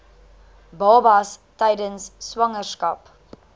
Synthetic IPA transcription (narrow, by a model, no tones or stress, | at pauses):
bɑːbɐstɛjdənsːwɐŋərskɐp